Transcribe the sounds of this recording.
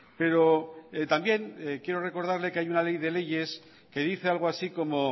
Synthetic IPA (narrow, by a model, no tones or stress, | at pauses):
pe̞ɾo̞et̪ambje̞ŋkjeɾore̞ko̞ɾð̞aɾle̞keajunale̞jðe̞le̞ʝe̞s | ke̞ðiθe̞alɣ̞oasiko̞mo̞